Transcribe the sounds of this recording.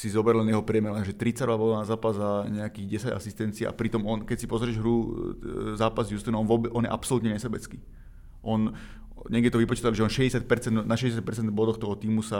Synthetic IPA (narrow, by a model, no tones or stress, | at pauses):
sizɔbɛɾlɛnjɛɦɔpɾɪɛmɛɾɔaʒɛt̪ɾit͡saɾɔʋabɔlanazaːpazzaɲɛakiːɣɟɛsaɟa̰sist̪ɛnt͡siɛ̰ʔa̰pɾit̪ɔmɔnkɛcsipɔzɾɪɛʒɦɾu | zaːpazjust̪inɔnʋɔbɛʔɔnjɛ̰ʔapsɔlut̪ɲɛɲɛsɛbɛt͡skiː | ʔɔn | ɲɛɡɟɛt̪ɔʋipɔt͡ʃiːt̪aliʒɛɔnʃɛɟɛsjac̚pɛɾt͡sɛnd̪naʃɛɟɛs̬jac̚pɛɾt͡sɛnd̪bɔd̪ɔxt̪ɔɦɔt̪iːmusa